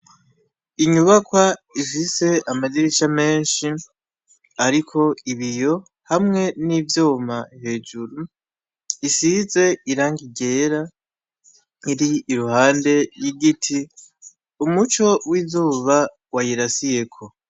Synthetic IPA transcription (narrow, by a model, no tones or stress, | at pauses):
iɲuβakwaifise̞amaziɾiʃame̞ːnʃi | aɾikʰo̞iβijo̞ | hamŋe̞nivjoːmahe̞d͡ʒuɾu | isize̞iɾaːŋɡiɡe̞ːɾa | iɾiːɾuhaːnde̞jiɡitʰi | umut͡ʃo̞wizuːβa | wajiɾasije̞kʰo̞